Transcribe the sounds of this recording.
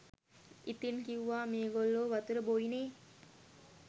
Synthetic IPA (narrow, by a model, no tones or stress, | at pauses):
it̪inkiuʋaːmeːɡolːoːʋɐt̪uɾəboineː